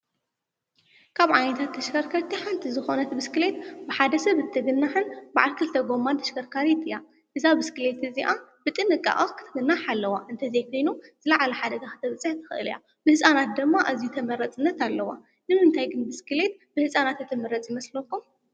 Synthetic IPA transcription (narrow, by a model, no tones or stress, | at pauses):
kʰaβʕajnɐt̪ʰat̪ːʰɐʃkʰɐɾkʰaɾt̪ʰiħant̪ʰizɨxo̞nɐt̪bɨskɨle̞t̪bɨħad̪ɐsɐβɨt̪ʰːɐɡɨnːaħɨnba̰ʕalkʰɨlt̪ʰɐɡo̞mːant̪ʰɐ̥ʃkɐɾkʰaɾit̪ɨja | ʔɨzabɨskɨle̞t̪ɨziʔabɨt̪ʼɨnɨkʼːa̰ʔʼɐkʰɨ̥t̪ʰɨɡɨnːaħalːɐwaʔɨnt̪ʰɐzejkʰo̞jnuz̥ɨlɐʕalɐħad̪ɐɡaxɨ̥t̪ʰɐβɨt͡sʼːɨħt̪ʰɨ̥xʔɨ̰lija̰ | bɨhɨsʼanat̪̚d̪ɨmːaʔazijut̪ʰɐmɐɾɐt͡sʼɨnːɐt̪alːɐwa̰ | nɨmɨnt̪ʰajɡɨnbɨskɨle̞t̪̚bɨhɨsʼanat̪ɨt̪ʰɨmɐɾɐt͡sʼjɪmɐslokːum